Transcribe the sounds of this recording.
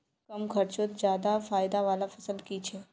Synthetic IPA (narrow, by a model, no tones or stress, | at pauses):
kɐmkʰɐɾt͡ʃot̪d͡ʒjaːd̪afaːɪd̪aʋaːlafɐsəlkit͡ʃʰɛː